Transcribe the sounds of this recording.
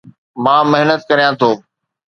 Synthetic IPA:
mãːmɐɦnət̪̚kɐɾijãt̪ʰoː

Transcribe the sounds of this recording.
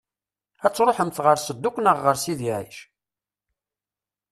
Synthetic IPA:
æt͡sːɾˤoħəmθʁəɾsəd̪ːukʷnəʁːəɾsiðiʕḭʃ

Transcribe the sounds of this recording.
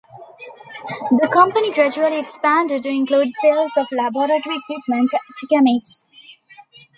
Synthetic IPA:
d̪əkʌ̃mpəniɡɾæd͡ʒuəliekspæ̃nɖɪɖ̚uɪ̃ŋkluːɖselzɔʋlæbɔɾəʈəɾiekwip̚mə̃nʈʈʰɪkəmesʈs

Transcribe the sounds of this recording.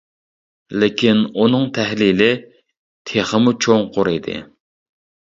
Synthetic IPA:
lɪkʲʰinunɨŋt̪ʰɛhlilɪ | t̪ʰeχəmut͡ʃʰoŋqoɾid̪ɪ̰

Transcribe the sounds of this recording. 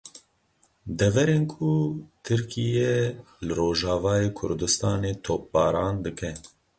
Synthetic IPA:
d̪ɛvɛɾeːnkʰut̪ʰɨɾkʰijɛ | lɨɾoːʒɑːvɑːjeːkʰʊ̰ɾd̪ɨst̪ɑːneːt̪ʰoːp̚bɑːɾɑːnd̪ɨkʰɛ

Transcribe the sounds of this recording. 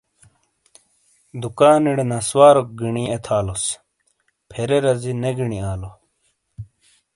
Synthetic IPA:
d̪ukaːniɽenɐswaːɾok̚ɡiɳiet̪ʰaːlos | pʰeɾeɾɐzineɡiɳiaːlo

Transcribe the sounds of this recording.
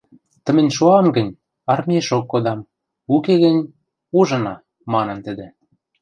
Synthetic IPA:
t̪ə̆mɘ̆nʲʃuɑmɡə̆nʲ | ɑrmʲieʃokːod̪ɑm | ukeɣɘ̆nʲ | uʒɤ̆nɑ | mɑnɤ̆nt̪ə̆d̪ĕ

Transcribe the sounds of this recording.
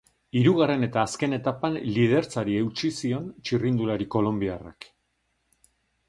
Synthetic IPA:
iɾuɣare̞ne̞t̪aːske̞ne̞t̪apanlið̞e̞ɾt͡saɾiewt͡ʃisio̞nt͡ʃirind̪ulaɾiko̞lo̞mbiara̰k

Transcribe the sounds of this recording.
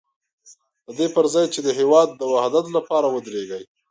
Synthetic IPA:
d̪̥əd̪epəɾzɑjt͡ʃed̪əɦewɑd̪ːəwahd̪at̪lapɑɾawəd̪ɾeɡəj

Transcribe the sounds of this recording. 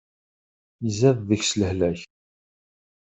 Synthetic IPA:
zæððəçsləhlæç

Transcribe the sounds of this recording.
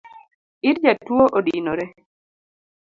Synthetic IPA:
iɾd͡ʒatwoʔodinoɾe

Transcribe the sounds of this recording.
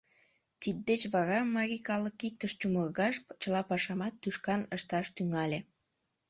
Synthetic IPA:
t̪id̪̚d̪et͡ɕβɑɾɑmːɑɾʲikɑləkik̚t̪əʃt͡ɕumərɣɑʃpt͡ɕəlɑpɑʃɑmɑt̪ːyʃkɑnəʃt̪ɑʃt̪yŋɑlʲe

